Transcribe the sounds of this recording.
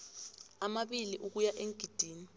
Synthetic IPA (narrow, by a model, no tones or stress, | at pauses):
amaɓiliʔuk̬ujaʔeŋɡʱid̥ʱiːni